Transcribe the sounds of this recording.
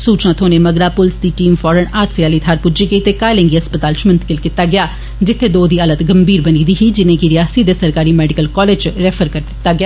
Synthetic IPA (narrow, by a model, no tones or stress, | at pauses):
suːt͡ʃnãːt̪ʰoːneːməɡɾaːpʊlsd̪iːʈiːmfɔːɾənaːt̪sɪaːliːt̪ʰaːɾpud͡ʒiːɡəiːt̪eːkaːelɛ̃ːŋɡiːɦəspət̪aːlt͡ʃmənt̪ʰkɪlkɪt̪aːɡɪaː | d͡ʒɪt̪ʰːeːd̪oːd̪iːələt̪ɡəmbiːɾbəniːd̪iːɦiːd͡ʒɪnẽːɡiːɾɪjaːsiːd̪eːsəɾkaːɾiːmɛːɖɪkəlkɔːleːd͡ʒɾɛːpʰəɾkəɾd̪ɪtt̪ːaːɡɪjaː